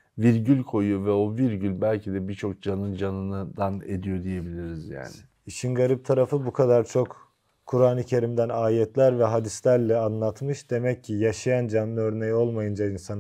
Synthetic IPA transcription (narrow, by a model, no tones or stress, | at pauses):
viɾɟylʲkʰo̞jujovɛo̞viɾɟylʲbælʲcʰid̪ɛbit͡ʃʰo̞k̚d͡ʒanɯnd͡ʒanɯnɯd̪aned̪ijo̞d̪ije̞bilʲiɾizja̰ːnɪ | iʃinɡaɾip̚t̪ʰaɾafɯbukʰad̪aɾt͡ʃʰo̞k | kʰːuɾaːnɯcʰe̞ɾimd̪ænaːjɛt̪ʰlʲæɾvɛɦad̪islʲæɾlʲɛanlˠat̪mɯʃd̪̥e̞mɛcʰːijaʃajand͡ʒanɯːɯø̞ɾnejo̞lˠmajɯnd͡ʒainsan